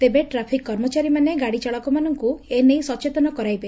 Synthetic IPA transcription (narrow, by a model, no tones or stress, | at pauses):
t̪ebeʈɾapʰikːɔɾmɔt͡ʃaɾimaneɡaɽit͡ʃɔɭɔkɔmanɔŋkuenejsɔt͡ʃet̪ɔnɔkɔɾajbe